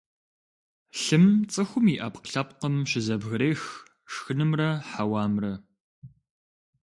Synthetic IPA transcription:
ɬɨmt͡sʼɨxʷʊmiʔɐpqɬɐp̚qəmɕɪzɐbɣɨɾeːx | ʂxɨnɨmrɐħawaːmrɐ

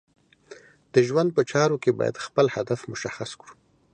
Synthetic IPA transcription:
d̪̥əʒwand̪̚pət͡ʃɑɾokebɑ̰ja̰d̪xpəlhad̪afmʊʃaxaskɽu̥

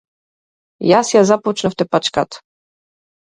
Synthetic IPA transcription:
jasjazaput͡ʃnɛft̪ɛpat͡ʃkat̪

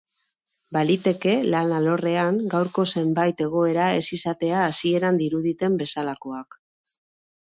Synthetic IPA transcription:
balit̪e̞ke̞lanalo̞re̞aŋɡawɾko̞se̞mbajt̪e̞ɣ̞o̞e̞ɾae̞sisat̪e̞aːsie̞ɾand̪iɾuð̞it̪e̞mbe̞salako̞ak

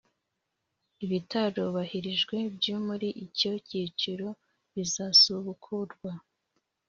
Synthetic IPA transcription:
iβitaɾo̞βahiɾiʒɡwe̞bjumuɾiʔico̞cit͡ʃiɾo̞ | βizasuβukʰuɾɡwa

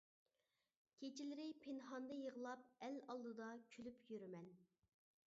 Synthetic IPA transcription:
kʲʰet͡ʃʰɪlɪɾɪpʰenɦɑnd̪ɨjəʁəlˠɑp̚ɛlɑlˠd̪ɨd̪ɑkʲʰylypjyɾymɛn

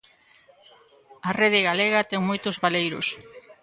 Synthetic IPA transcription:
ɐreð̞ɪɣaleɣɐt̪ɛŋmojt̪ʊzβalejɾʊ̰s

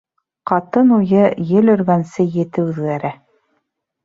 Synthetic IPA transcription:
qɑt̪ɤnujɤjɘlɵ̆ɾɡænsɘjɘ̆t̪ɘʉðɡæɾæ

